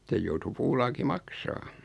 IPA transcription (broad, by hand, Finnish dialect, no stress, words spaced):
sej joutu puːlɑːki mɑksɑː